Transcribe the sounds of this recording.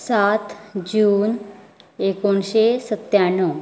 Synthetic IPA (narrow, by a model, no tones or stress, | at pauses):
sat̪d͡ʑuːn | ekoɳɕesət̪janə